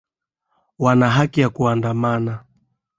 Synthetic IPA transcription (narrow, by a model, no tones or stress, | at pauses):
wanaɦakijakuandamana